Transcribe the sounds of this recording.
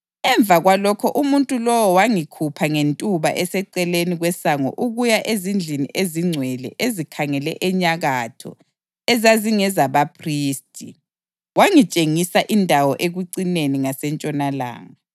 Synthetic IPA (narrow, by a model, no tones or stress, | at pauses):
ɛɱb̪vʱaɣwalɔkʰɔʔumuntʼulɔwɔwaŋikʰupʰaŋentʼuβa̰ʔɛsɛǀɛleniɣwɛsaŋɔ̰ʔuɣujaʔezind͡ɮʱinḭʔeziŋ͡ǀʱwɛlɛ̰ʔezikʰaŋɛlɛ̰ʔɛɲaɣatʰɔ̰ | ɛzaziŋɛzaβapʰriːstʼi | waŋit͡ʃʼeŋisaʔindʱawɔʔeɣuǀineniŋasɛnt͡ʃʼɔnala̰ːŋa